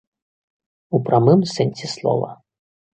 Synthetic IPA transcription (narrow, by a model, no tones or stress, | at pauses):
upɾamɨmsɛnʲsʲɛslˠɔ̰vɐ̰